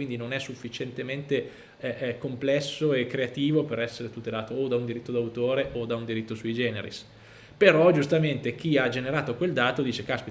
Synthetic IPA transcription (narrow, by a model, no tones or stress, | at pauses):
wind̪inonɛsːufːit͡ʃent̪ement̪e | ɛkomplɛsːoekːɾeat̪iːvopeɾɛsːeɾet̪ut̪elaːt̪oːd̪aund̪iɾit̪ːod̪awt̪oːɾeʔod̪aund̪iɾit̪ːosuid͡ʒɛːnḛɾḭs | peɾɔd͡ʒust̪ament̪ek̟iad͡ʒeneɾaːt̪okweld̪aːt̪od̪iːt͡ʃekaspi